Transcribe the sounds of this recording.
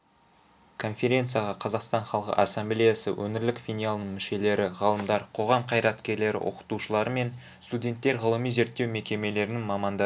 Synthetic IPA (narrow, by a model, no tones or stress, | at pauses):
kʰo̞nfʲe̞ɾʲe̞nt̪sɨjaʁɑqʰɑzɑqst̪ɑnχɑlˠqə̰ʔɑsːemblʲejasə̰wʔɵnɪɾlɪkfʲinijalˠnəɴmɪʃe̞le̞ɾɪʁɑlˠəmd̪ɑɾqʰo̞ʁɑmqʰɑjɾɑt̪kʲe̞ɾle̞ɾɪ̰wʔo̞̰qə̥t̪uʃəlˠɑɾəme̞n | st̪udʲe̞nt̪ːe̞ɾʁəlˠəmijze̞ɾt̪ːe̞wme̞kʲe̞me̞le̞ɾɪnɪŋmɑmɑnd̪ɑ